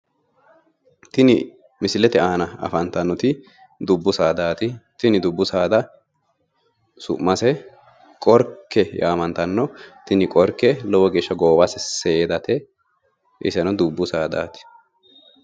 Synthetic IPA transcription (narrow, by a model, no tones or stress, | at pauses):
t̪ɪnɪ | mɪsɪlɛt̪ɛaːnɐɐ̰fɐnt̪ɐnːɔt̪ɪ | d̪ʊbːʊsaːd̪aːt̪ɪt̪ɪnɪd̪ʊbːʊsaːd̪ɐ | sʊ̰ʔmːɐsɛ | kʼɔɾkːɛjaːmɐnt̪ɐnːɔt̪ɪnɪkʼɔɾkːɛlɔwɔɡeːʃːɐɡoːbɐsɛseːd̪ɐt̪ɛ | ʔɪ̰sɛnɔd̪ʊbːʊsaːd̪a̰ːt̪ɪ̥